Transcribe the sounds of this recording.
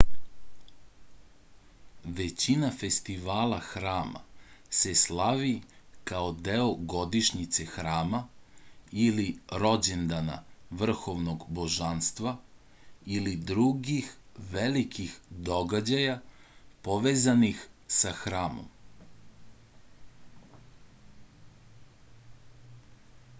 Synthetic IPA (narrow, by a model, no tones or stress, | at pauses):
ʋe̞t͡ɕinafe̞st̪iʋaːlaxɾaːma̰se̞slˠaʋikaod̪eoɡo̞d̪iʃɲit̪sexɾaːma | iliɾo̞d͡ʑend̪ana̰ʋr̩xo̞ʋnoɡbo̞ʒanst̪ʋa | ilid̪ɾuɡixʋelikʰixd̪o̞ɡad͡ʑajapoʋeːzanixsaxɾaːmo̰m